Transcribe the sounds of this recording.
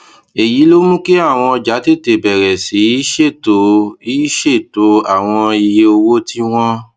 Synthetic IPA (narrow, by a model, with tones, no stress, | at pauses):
e˨ji˨˦lo˦mũ˦ke˦a˦˨w̃ɔ̃˧ɔ˧d͡ʒa˨˦te˦˨te˨bɛ˨ɾɛ˨si˨˦i˦ʃe˦˨to˨˦i˦ʃe˦˨to˨˦a˦˨w̃ɔ̃˧i˧je˧o˧wo˦ti˦w̃ɔ̃˦